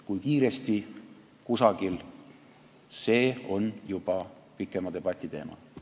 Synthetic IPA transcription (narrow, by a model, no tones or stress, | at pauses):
kujkiːɾe̞st̪i | kusɑɡil | se̞ːo̞njub̥ɑ | pikːˑe̞mɑd̪e̞b̥ɑt̪ʲˑːit̪e̞̰ːmɑ̰